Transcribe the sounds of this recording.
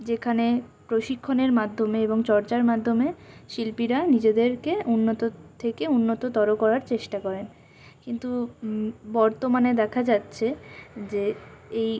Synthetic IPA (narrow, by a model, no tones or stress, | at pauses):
d͡ʑekʰane | pɾoʃikʰːoneɾmad̪ʱːomeeboŋt͡ɕɔɾt͡ɕaɾmad̪ʱːomeʃilpiɾanid͡ʑed̪eɾkeunːot̪ot̪ʰekeunːot̪ot̪ɔɾokɔɾaɾt͡ɕeʃʈakɔɾen | kint̪u | bɔɾt̪omaned̪ɛkʰad͡ʑatːɕʰed͡ʑeej